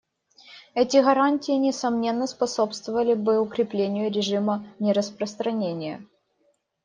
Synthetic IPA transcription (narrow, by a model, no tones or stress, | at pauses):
ɛtʲɪɣɐɾanʲtʲɪːnʲɪsɐmnʲe̞nːəspɐsopst̪vəvəlʲɪbɨʊkɾʲɪplʲenʲɪjʊɾʲɪʐɨmənʲɪɾəspɾəst̪ɾɐnʲenʲɪjə̰